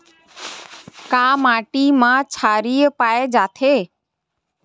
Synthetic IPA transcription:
kaːmaːʈiːmãt͡ʃʰaːɾiːəpaːed͡ʒaːt̪ʰeː

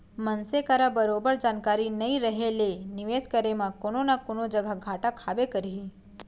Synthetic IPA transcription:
mənsekaɾabəɾobəɾd͡ʒankaɾinəĩɾəɦelenɪʋeskəɾemãkononakonod͡ʒəɡʱaɡʱaʈakʰabekəɾiɦi

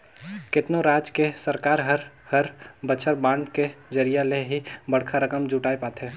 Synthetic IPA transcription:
kɪt̪noɾaːd͡ʒkesəɾkaːɾɦəɾhəɾbət͡ʃʰəɾbãːɳɖked͡ʒəɾijaleɦibəɽ̤kʰaɾəkəmd͡ʒuːʈaːepaːt̪ɦɛ̃ː

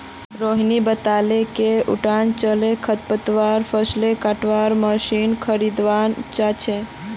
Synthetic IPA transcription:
ɾoɦnibət̪alekeṵʈant͡ʃəlekʰət̪̚pət̪ʋaɾpʰəslekaʈʋaɾməsinkʰəɾid̪ʋant͡ʃat͡ʃʰe

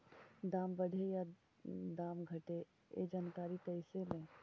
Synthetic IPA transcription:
d̪aːmbəɽʱeja | d̪aːmɡʱəʈe | ḛd͡ʒaːnkaːɾit̪əɪselẽ

